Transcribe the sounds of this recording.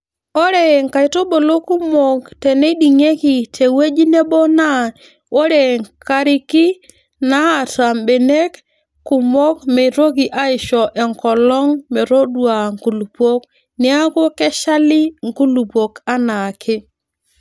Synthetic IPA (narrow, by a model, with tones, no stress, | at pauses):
o˦ɾɛ˨ŋka˨i˨to˦bo˨lo˦ku˦mo˨ktɛ˨nɛ˦di˨ŋe˦ki˨tʰe˨we˦d͡ʒi˦ne˦bɔ˦na˦˨ | o˦ɾe˨ŋka˦ɾɪ˦ki˦ | na˦a˨ta˨mbe˨ne˦k | kːu˨mɔ˦kmɛ˨ɾo˦k̬i˨ʔa˦ɪ˨ʃɔ˨ʔɛ˨ŋkɔ˨lɔ˦ŋmɛ˨ɾo˦dwa˨ŋku˨lu˨po˦k | nɪ˦a˦ko˦kɛ˦ʃa˦li˦ŋku˦lu˨pwo˨ka˦na˨kʰɪ˦